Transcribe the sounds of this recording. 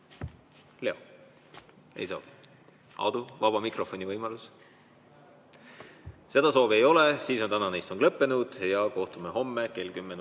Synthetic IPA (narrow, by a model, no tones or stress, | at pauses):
le̞o | ḛjso̞ːvi̥ | ɑ̰wd̪̥uvɑb̥ɑmikro̞fo̞nʲivɤjmɑlus | se̞d̪̥ɑso̞ːviejo̞lesiːsont̪ænɑnejst̪o̞ŋlɤpːe̞nud̪̥jɑko̞ht̪ume̞ɦo̞mːeke̞lkymːen